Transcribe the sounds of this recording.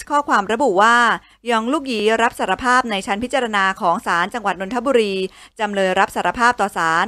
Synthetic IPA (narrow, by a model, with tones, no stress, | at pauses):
kʰɔː˥˩kʰwaː˧mɾa˧bu˨˩waː˥˩ | jɔ˧ŋluː˥˩k̚jiː˩˦ɾa˦˥p̚saː˩ɾa˧pʰaː˥˩p̚na˧jt͡ɕʰa˦˥npʰi˦˥t̚t͡ɕa˧ɾa˧naː˧kʰɔː˩˦ŋsaː˩˦nt͡ɕa˧ŋwa˨˩t̪̚no˧nt̪ʰbuː˧ɾiː˧ | t͡ɕa˧mlɤː˧jɾa˦˥p̚saː˩˦ɾa˧pʰaː˥˩p̚t̪ɔː˨˩saː˩˦n